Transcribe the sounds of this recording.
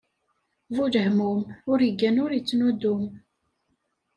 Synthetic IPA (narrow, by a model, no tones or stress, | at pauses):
vud͡ʒəhmumʊɾəɡænʊɾjit͡sːnud̪ʊm